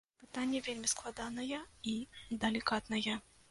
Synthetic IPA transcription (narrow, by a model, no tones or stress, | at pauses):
pɨt̪anʲːɐvʲelʲmʲisklˠad̪anɐjɛid̪ɐlʲikat̪nɐjɛ